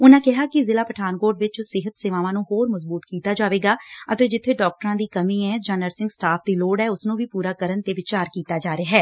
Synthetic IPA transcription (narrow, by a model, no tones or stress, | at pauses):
ʊnãːkɪɦaːkɪzɪlaːpəʈʰaːnkoːɾɖʋɪt͡ʃsɪɦət̪seːʋaːʋãːnũːɦoːɾməzbuːt̪kiːt̪aːd͡ʒaːʋeːɡaːət̪eːd͡ʒɪt̪ʰːeːɖɔːk̚ʈəɾãːd̪iːkəmĩːɛ̃ːd͡ʒãːnəɾsɪ̃ŋɡsʈaːpʰd̪iːloːɽɦɛːʊsnũːʋiːpuːɾaːkəɾənt̪eːʋɪt͡ʃaːɾkiːt̪aːd͡ʒaːɾeaːɦɛː